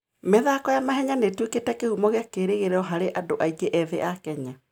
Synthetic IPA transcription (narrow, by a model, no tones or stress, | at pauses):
meðakɔjamaɦɛɲanetweketɛkehumɔɣeakeɾeɣeɾɛɔɦaɾeʔadoʔaiɡeʔɛðeʔakɛɲa